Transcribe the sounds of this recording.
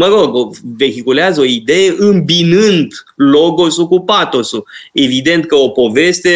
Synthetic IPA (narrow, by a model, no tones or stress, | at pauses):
məɾo̞ɡove̞xikuleazəo̞id̪e̞jeʔɨmbinɨnd̪ | lo̞ɡo̞sukupat̪o̞sue̞vid̪e̞nt̪̚kəo̞po̞ve̞st̪e̞